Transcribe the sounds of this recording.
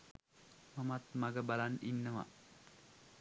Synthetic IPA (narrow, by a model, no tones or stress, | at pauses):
mamat̪maɡəbalaninːəʋa̰